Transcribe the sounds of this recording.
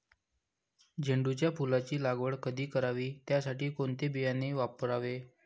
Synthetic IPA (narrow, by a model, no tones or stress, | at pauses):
d͡ʑʱəɳɖut͡ɕjapulat͡ɕiːlaɡʋəɭkəd̪ʱiːkəɾaʋiːt̪jasaʈiːkoɳt̪ebijaneʋapəɾaʋe